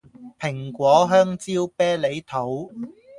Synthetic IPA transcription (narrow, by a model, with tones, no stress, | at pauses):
pʰɪ˨˩ŋkʷɔː˨˥ɦœː˥ŋt͡siː˥wpɛː˥le˨˧˥jt̪ʰo˨˥w